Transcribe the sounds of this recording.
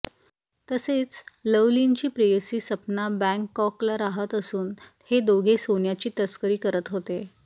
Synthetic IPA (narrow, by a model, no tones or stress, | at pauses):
t̪əset͡sləʋlint͡ɕiːpɾejəsiːsəpnabæ̃ŋkːɔklaɾaɦət̪əsuːnhed̪oɡʱesonjat͡ɕiːt̪əskəɾiːkəɾət̪ɦot̪e